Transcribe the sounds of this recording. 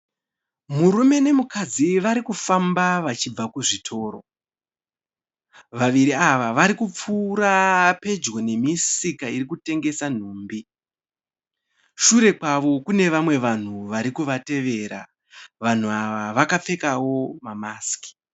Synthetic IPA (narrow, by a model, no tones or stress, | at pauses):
muɾume̞ne̞mukad͡ziʋaɾikufambaʋat͡ʃib͡vakuʐitʰo̞ːro̞̰ | ʋaʋiɾiaʋaʋaɾikup͡fuɾape̞d͡ʒɡo̞ne̞misikaiɾikute̞ŋɡe̞san̤uːmbi | ʃuɾe̞kwaʋo̞kune̞ʋamwe̞ʋan̤uʋaɾikuʋate̞ʋe̞ːɾa̰ | ʋan̤uaʋaʋakap͡fe̞kawo̞mamaːski̥